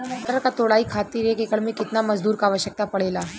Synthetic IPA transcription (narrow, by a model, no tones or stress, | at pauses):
əɾkat̪oɽaikʰat̪iːɾekekəɭmẽkɪt̪naməd͡zd̪uːɾkaːʋəɕək̚t̪apəɽelaː